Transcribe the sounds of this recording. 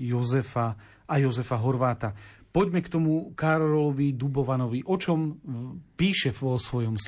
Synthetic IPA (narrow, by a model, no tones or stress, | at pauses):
jɔzɛfa | ajɔzɛfaɦɔɾʋaːt̪apɔɟmɛkt̪ɔmukaɾɔlɔlɔʋid̪ubɔʋanɔʋiʔɔt͡ʃɔmpiːʃɛsʋɔsʋɔjɔms